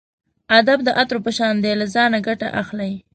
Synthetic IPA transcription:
ad̪ab̚d̪əʔat̪ɾopəʃɑnd̪elazɑnaɡaʈa̰ʔaxlaj

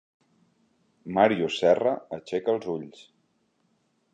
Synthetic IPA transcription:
maɾiusɛrəət͡ʃɛkəlˠzuʎs

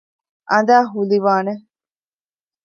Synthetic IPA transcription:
ʔɐnd̪aːɦuliʋaːne

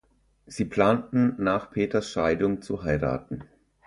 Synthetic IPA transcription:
z̥iːpl̥aːntn̩naːχpʰeːtɐsʃaɪdʊŋt͡suɦaɪʁa̰ːt̚n̩

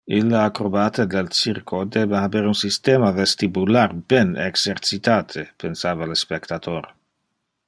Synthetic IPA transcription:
ilːaakɾobat̪ed̪elt͡ʃiɾkʰod̪ebaabeɾunsist̪eːmavest̪ibularbɛnḛɡsert͡ʃit̪aːt̪ʰepʰensaːvalespekt̪at̪ʰoɾ

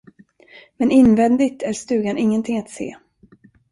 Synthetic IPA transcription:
mɛnɪnvɛnd̪ɪt̪ʰæɾst̪ʉ̟ːɡanɪŋːənt̪ʰɪŋːat̪sḛː

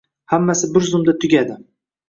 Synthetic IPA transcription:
hamːasɪbɪɾzʊmd̪at̪ʰʊɡʲad̪ɪ

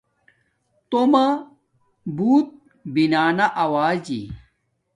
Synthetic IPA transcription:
t̪omɐ | buːt̪̚ | binaːnaʔɐwaːd͡ʑḭ

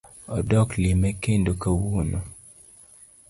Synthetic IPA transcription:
ɔdɔklimɛkendokawuno

